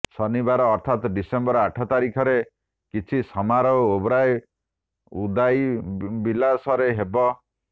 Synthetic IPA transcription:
sɔnibaɾɔːɾt̪ʰat̪ɖisembɔɾɔaʈʰɔt̪aɾikʰɔɾe | kit͡ʃʰisɔmaɾɔobɾaj | ud̪ajbilasɔɾeɦebɔ

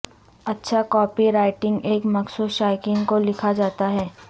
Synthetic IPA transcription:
ɐtːʃʰakɔːpiɾaːɪʈɪ̃ŋɡeːkmɐɡsoʃaːɪkɪ̃ŋɡkolɪkʰad͡ʒaːt̪aɦɛː

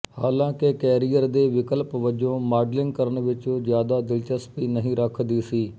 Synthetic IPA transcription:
haːlãːkekɛːɾijəɾd̪eːʋɪkəlpʋəd͡ʒõːmaːɖlɪŋɡkəɾənʋɪt͡ʃõːzjaːd̪aːd̪ɪlt͡ʃəspiːnəɦĩːɾəkʰd̪iːsiː

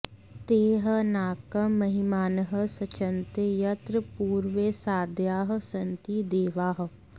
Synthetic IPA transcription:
t̪eːɦənaːkəmɐɦɪmaːnɦəsɐt͡ʃənt̪ejɐt̪ɾəpuːɾʋesaːd̪ʱjaːɦ̆sɐnt̪id̪eːʋaːɦ̆

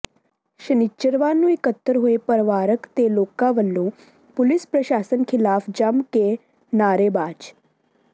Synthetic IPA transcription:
ʃənɪt͡ʃːəɾʋaːnũːɪkət̪ːəɾɦoepəɾʋaːɾəkt̪eloːkãʋəlːõː | pʊlɪspɾəʃaːsənkʰɪlaːpʰd͡ʒəmke | naːɾeːbaːd͡ʒ

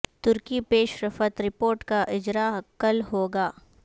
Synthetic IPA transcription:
t̪ʊɾkipeːʃɾɐfət̪ɾɪpoːɾʈkaʔɪd͡ʒɾakɐlɦoːɡaː

